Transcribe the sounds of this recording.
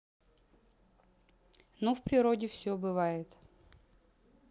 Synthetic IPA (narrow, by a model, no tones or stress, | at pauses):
nofpɾʲɪɾodʲɪfsʲobɨvajɪt̪